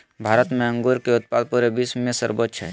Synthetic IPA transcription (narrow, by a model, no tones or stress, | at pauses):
bʱaːɾət̪mẽə̃ŋɡoɾkeʊt̪̚paːd̪̚puɾebismẽsə̰ɾbətt͡ʃʰɛ̰